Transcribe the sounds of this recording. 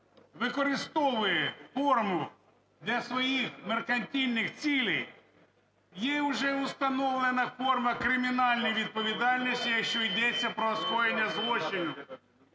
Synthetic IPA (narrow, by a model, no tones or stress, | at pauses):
ʋɪkɔɾɪst̪ɔʋʊjɛfɔrmʊ | d̪ʲlʲɐsʋɔjixmerkɐnʲtʲilʲnɪxt͡sʲilʲej | jɛʊʐɛʊst̪ɐnɔwlˠɪnɐfɔrmɐkɾɪmʲinɑlʲnɔjʋʲid̪̚pɔʋʲid̪ɑlʲnʲisʲtʲijɐkʃt͡ʃɔid̪ɛt͡sʲːɐpɾɔɐsxɔjenʲːɐzlˠɔt͡ʃɪnʲʊ